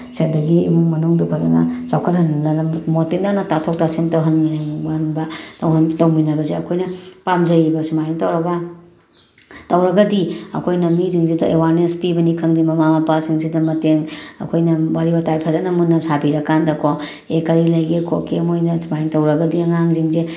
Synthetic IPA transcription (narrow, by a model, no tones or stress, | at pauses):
sedɐɡḭːmuŋmɐnuŋdupʰɐzɐ̰nɐ̰sawkʰɐɾɦɐnlɐlɐmmotendanɐtatʰok̚tasemtɐwɦɐnminaŋbɐnbɐtɐwɦɐntɐwminɐbɐzeɐ̰kʰojnɐpamzɐjɾibɐsumajntɐwɾɐɡɐ | tɐwɾɐɡɐdiɐ̰kʰojnɐmiziŋzidɐʔewaɾnespibɐnikʰɐŋdimɐmamɐpasiŋsidɐmɐteŋɐ̰kʰojnɐwaɾibɐtajpʰɐzɐnɐmunːɐsabiɾɐkandɐkʰo | ekɐɾilɐjɡekʰokemojnɐsumajntɐwɾɐɡɐdiɐŋaŋziŋze